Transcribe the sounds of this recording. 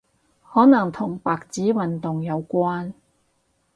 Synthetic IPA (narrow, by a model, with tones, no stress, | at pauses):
hɔː˨˥nɐ˨˩ŋt̪ʰʊ˨˩ŋpaː˨k̚t͡siː˨˥wɐ˨nt̪ʊ˨ŋjɐ˨˧wkʷwaː˥n